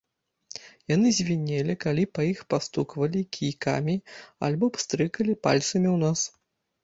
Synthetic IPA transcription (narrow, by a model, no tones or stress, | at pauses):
janɨzʲvʲinʲelʲikalʲipajixpast̪ukvɐlʲikʲʰijka̰mʲia̰lʲbɔpst̪ɾɨkɐlʲipa̰lʲt̪sɐmʲiwnas